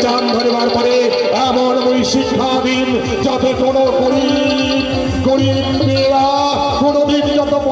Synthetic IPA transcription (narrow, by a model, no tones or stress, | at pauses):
t͡ɕand̪ʱaɾebaɾpɔɾe | ɛmonojʃikʰːad̪in | d͡ʑat̪ekonokoɾi | koɾinneɾa | konod̪ind͡ʑɔt̪ok